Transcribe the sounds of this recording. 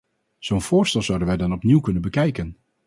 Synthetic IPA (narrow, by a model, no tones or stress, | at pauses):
z̥ownv̥ʊːɹstɛlˠzʌwdənʋɛjdɑnɔpniwkɵnənbəkɛjkən